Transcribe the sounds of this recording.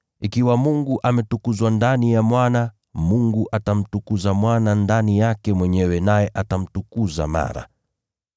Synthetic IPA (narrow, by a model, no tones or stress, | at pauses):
ikiwamuŋɡuʔamɛtukuzwandanijamwana | muŋɡuʔatam̩tukuzamwanandanijakɛmwɛɲɛwɛnajɛʔatam̩tukuza̰ma̰ɾa̰